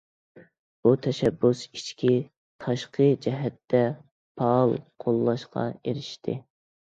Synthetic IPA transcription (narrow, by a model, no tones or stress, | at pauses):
b̥ut̪ʰɛʃɛbːusit͡ʃkʲʰi | t̪ʰɑʃqʰəd͡ʒɛɦɛt̪ːɛ | pʰɑlˠqʰolˠːɑʃqʰɑ̰eɾɪʃt̪ʰɪ